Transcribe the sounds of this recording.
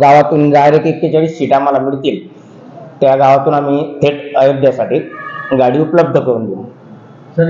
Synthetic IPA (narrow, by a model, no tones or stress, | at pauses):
ɡaʋat̪uːnd͡zajɾekekːet͡ɕaɭiːsɕiʈaməlamiɭt̪iːl | t̪jaɡaʋat̪uːnamiːt̪ʰeʈəjod̪ʱjasaʈiːɡaɽiːupləb̚d̪ʱəkəɾuːnd̪elu | s